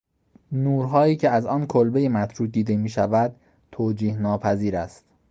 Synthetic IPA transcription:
nuːɾɦɒːjiːcʰe̞æzɒːnkʰolbejemæt̪ʰɾuːd̪iːd̪emiːʃævæd̪̥̚ | t̪ʰoːd͡ʒiːhnɒːpʰæziːɾæ̰st̪

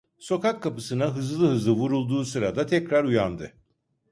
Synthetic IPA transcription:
so̞kakʰːapɯsɯnaɦɯzlˠɯɦɯzlˠɯvuɾulˠd̪uːsɯɾad̪at̪ʰɛcɾaɾujand̪ɯ

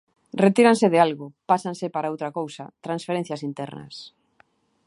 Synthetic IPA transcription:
ret̪iɾanseðealɣʊpasansɪpaɾaowt̪ɾakowsɐt̪ɾãnsfeɾen̟θjasint̪ɛ̰ɾnɐ̰s

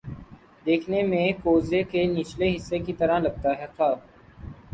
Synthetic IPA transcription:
d̪eːkʰneːmẽːkoːzeːkeːnɪt͡ʃleːɦɪsːeːkit̪əɾãːləɡ̚t̪aːɦɛːkʰaː

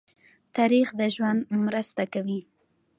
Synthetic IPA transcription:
t̪aɾixd̪əʒwand̪mɾəst̪akawi

